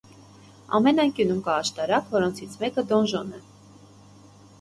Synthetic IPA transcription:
ɑ̰mɛnɑjŋkjunumkɑːʃt̪ɑɾɑkvɔɾɔnt͡sʰit͡sʰmɛkəd̪ɔnʒɔnɛ

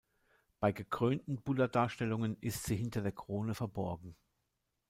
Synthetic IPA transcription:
b̥aɪɡəkʁ̥øːntn̩b̥ʊdɐdaːɐʃtɛlʊŋənɪstz̥iːɦɪntɐdeːɐkʁ̥oːnəfɛɐbɔɐɡŋ̩

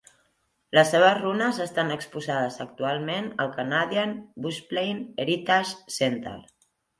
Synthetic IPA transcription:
ləsːeβəzrunəzəst̪anəkspuzað̞əzək̚t̪ualˠmenəlˠkanaðianbusplejneɾit̪aʃsent̪ə̰l

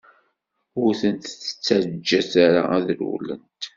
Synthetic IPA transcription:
ʊɾθənt̪θə̥t͡sːæɾd͡ʒːæθaɾa̰æðlṵlə̰nt̪

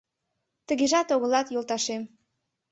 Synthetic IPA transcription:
t̪ə̆ɣeʒɑt̪oɣə̆lɑt̪jolˠt̪ɑʃem

